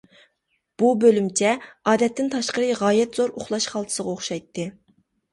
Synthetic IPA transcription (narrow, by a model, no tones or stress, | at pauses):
b̥ubølymt͡ʃʰɛɑːd̪ɛt̪ʰːɪnt̪ʰɑʃqəɾɨʁɑːjɛt̪zoɾoχlˠɑʃχɑlˠt̪ʰɨ̥səʁɑoχʃɑjt̪ʰːɨ